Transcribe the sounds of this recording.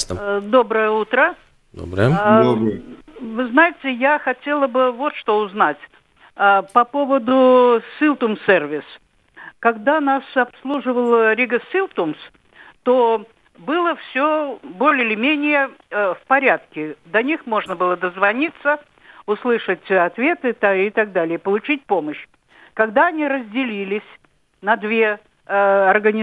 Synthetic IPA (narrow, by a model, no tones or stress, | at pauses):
st̪d̪o̞bɾəjəut̪ɾə | d̪o̰bɾəjə | vɨznajɪtʲɪjaxɐtʲe̞lˠəbɨvo̞t̪ʂt̪o̞ʊznatʲ | əpɐpo̞vəd̪ʊsilˠt̪umservʲɪs | kɐɡd̪anasɐpslˠuʐɨvəlˠɾʲiɡəsilˠt̪ums | t̪o | bɨlˠəfsʲobolʲɪɪlʲɪmʲenʲɪjəfpɐɾʲat̪̚kʲɪd̪ɐnʲixmo̞ʐnəbɨlˠəd̪əzvɐnʲit̪sə | ʊslˠɨʂətʲɐt̪vʲe̞t̪ɨt̪ɪt̪aɡ̚d̪alʲɪjəpəlˠʊt͡ɕit̚ʲpo̞məɕː | kɐɡd̪aɐnʲiɾəzʲdʲɪlʲilʲɪsʲ | nɐd̪vʲe | ɐrɡənʲ